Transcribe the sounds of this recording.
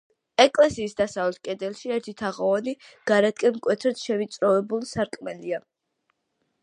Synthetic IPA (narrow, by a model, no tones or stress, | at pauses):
ɛkʼlɛsiːsd̪asavlɛt̪̚ʰkʼɛd̪ɛlˠʃiɛɾt̪ʰit̪ʰaʁɔvaniɡ̥aɾɛd̪kʼɛmkʼwɛt̪ʰɾɛt̪ʃɛvit̪sʼɾɔvɛbulˠsaɾkʼmɛlia